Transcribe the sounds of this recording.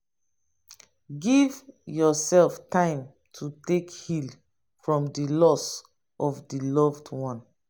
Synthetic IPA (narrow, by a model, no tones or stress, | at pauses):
ɡivjɔsɛlftãɪ̃m | tʰutekhil | fɹɔ̃mdilɔs | ɔfdilɔvdwɔ̃n